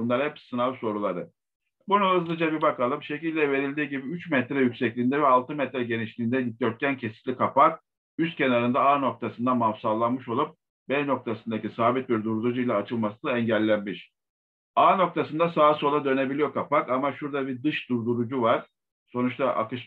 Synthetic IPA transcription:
unlˠaɾhɛpsɯnavso̞ɾulˠaɾɯ | bunaɯzd̪ˠɯd͡ʒabibakalˠɯmʃe̞cilʲd̪ɛve̞ɾilʲd̪iːɟibiyt͡ʃmɛt̪ɾɛjycʲsɛclʲiːnd̪ɛvɛalˠt̪ʰɯmɛt̪ɾɛɟe̞niʃlʲiːnd̪ɛd̪it̪̚ʲøɾt̪̚cʰæncʰe̞si̥ʃlʲikʰapak̚ | yst̪̚cʰenaɾɯnd̪aaːno̞k̚t̪ʰasɯnd̪amafsalˠanmɯʃo̞lˠup̚ | bɛɾno̞k̚t̪ʰasɯnd̪acisaːbit̪̚biɾd̪uɾd̪uɾd͡ʒuijlʲˠaːt͡ʃʰɯlˠmasɯnd̪aɛɲɟælʲːænmiʃ | aːno̞k̚t̪ʰasɯnd̪asaːso̞lˠad̪ø̞ne̞bilʲijo̞kʰapakamaʃuɾd̪abiɾd̪ɯʃd̪uɾd̪uɾud͡ʒuvaɾ̥ | so̞nut͡ʃt̪ʰaʔa̰kɯʃ

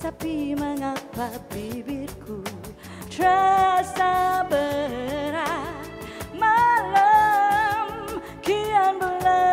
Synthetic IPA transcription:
t̪apiməŋapabibitkʰu | t̪ɾasabəɾa | malə | m | kʰianbəla

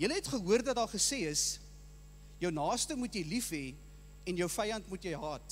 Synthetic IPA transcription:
jələɦɛtχəɦuərdɐt̚dɑːχəseːəs | jəwnɑːstəmutjəjlifɦɛ | ɛnjəwfɐjɐntmutjəjɦɑːt

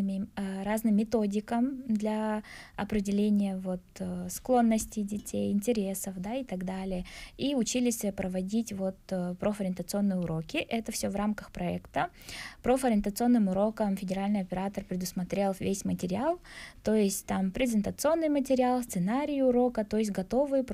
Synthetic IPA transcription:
ɨmʲɪɾaznɨmʲːɪt̪o̞dʲɪkəmd̪lʲaɐpɾʲɪdʲɪlʲenʲɪjəvo̞t̪sklˠo̞nːəsʲtʲɪjdʲɪtʲejɪnʲtʲɪɾʲe̞səfd̪ait̪ɐɡd̪alʲɪjəiʊt͡ɕilʲɪsʲpɾəvɐdʲitʲvo̞t̪ːpɾofəɾʲɪnt̪ət̪sɨo̞nːɨjəʊɾo̞kʲɪʔɛt̪əfsʲovramkəxpɾɐɛkt̪ə | pɾofəɾʲɪnt̪ət̪sɨo̞nːɨmʊɾo̞kəmfʲɪdʲɪɾalʲnɨjɐpʲɪɾat̪ərpɾʲɪd̪ʊsmɐt̪ɾʲelˠvʲesʲmətʲɪɾʲɪalˠt̪o̞jɪsʲtʲt̪ampɾʲɪzʲɪnt̪ət̪sɨo̞nːɨjmət̬ʲɪɾʲɪalˠst̪sɨnaɾʲɪjʊɾo̞kət̪o̞jɪs̬ʲt̬ʲɡɐt̪o̞vɨjp

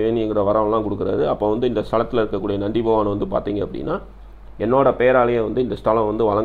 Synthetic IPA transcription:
ʋeːnɪɛŋɡɪɾɐʋɐɾɐʋɐɭlãːkʊɽɯkːɯɾa̰ðɯɐpːoːʋɐnd̪ɯɪnd̪ɐst̪ɐɭɐt̪ːɪlɐɪɾɯkːɐkːuːɽijɐnɐɳɖɪpɐʋaːnɐʋɐnd̪ɯpa̰ːɾt̪iːŋɡɐːpːɐɽɪ̰nːaː | ɛnːoːɽɐpeːɾaːlɐjɐ̃ʋɐnd̪ɯɪnd̪ɐst̪ɐlɐ̃ʋɐnd̪ɯʋɐɭɐŋ

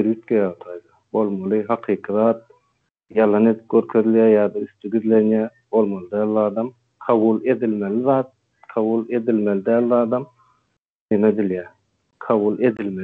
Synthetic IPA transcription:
eɾjyt̪̚kʲejɑt̪ʰɑjd̪ɑbo̞lˠmɑlˠɯɦɑqʰiːqʰɯðɑːt̪̚ | jɑlˠɑne̞d̪ip̚ɡʲøɾkʰøðiljæːjɑːd̪ɑyst̪yɡiðle̞njæːbo̞lˠmɑlˠɯd̪æːlɑːd̪ɑm | qʰɑβulˠe̞d̪ilmeliðɑːt̪̚ | qʰɑβulˠe̞d̪ilmelid̪æːlɑːd̪ɑm | nemed̪iljæ | qʰɑβulˠe̞d̪ilme

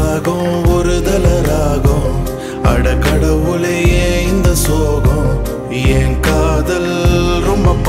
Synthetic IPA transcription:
ɣɐɔɾɯd̪ɐlɐɾaːɣɐ̃ | ɐ̰ɽɐkːɐɽɐʋɯɭɐjeːɪnd̪ɐsoːɣɐ̃ | eːnkaːðɐlɾɔmbɐpː

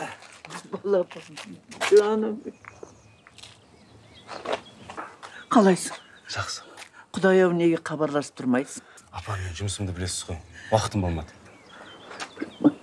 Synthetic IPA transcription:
bɑlˠɑpɑd͡ʒɑnɑe | qʰɑlˠɑjsəɴ | ʒ̥ɑqsə̥qʰʊd̪ɑjɑwne̞ɡʲe̞qʰɑbɑɾlˠɑsə̥p̚t̪ʰʊɾmɑj̪ə | ɑpɑmenʒʊməsəmd̪əbɪle̞sɪ̥zʁojwɑqət̪əmbolˠmɑ̰d̪ə̥

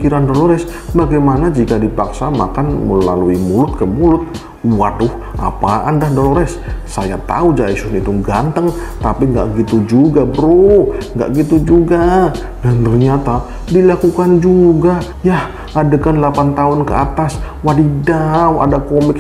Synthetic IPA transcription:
kiɾandoloɾɛs | baɡajmanad͡ʒikadipaksama̰kanmə̰la̰luimulʊt̪̚kəmulʊt̪̚ | uwadʊh | ʔa̰paa̰ndahdoloɾɛssaja̰t̪a̰ud͡ʒaisʊnit̪uɡant̪əŋ | t̪apiŋɡa̰ʔɡit̪ud͡ʒuɡabəɾuŋɡa̰ʔɡit̪ud͡ʒuɡa | dant̪ərɲat̪a | dilakukand͡ʒuɡa | jah | adakanlapant̪aʊnkəat̪as | wadidawa̰dakomɪk̚

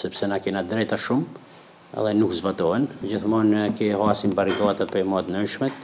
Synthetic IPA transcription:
sɛpsɛnakɛnad̪ɾɛt̪aʃum | ɛ̰ðɛnukzbat̪ɔɦɛnd͡ʑiθmɔnkɛhasimpaɾiɡat̪apɛmat̪nənʃmɛt̪

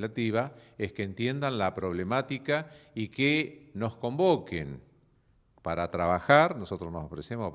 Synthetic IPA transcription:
lat̪iβaeskeːnt̪je̞nd̪anlapɾo̞β̞lemat̪ikaikeno̞sko̞mboken | paɾat̪ɾaβaxaɾnoso̞t̪ɾosnosofɾesemos

